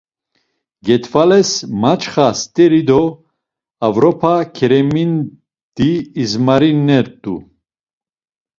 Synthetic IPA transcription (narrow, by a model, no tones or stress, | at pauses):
ɡɛt̪ʰvalɛsmat͡ʃʰχast̪ʼɛɾid̪ɔ | avɾɔpʰakʰɛɾɛmin | d̪̥iːzmaɾinːɛɾt̪ʼu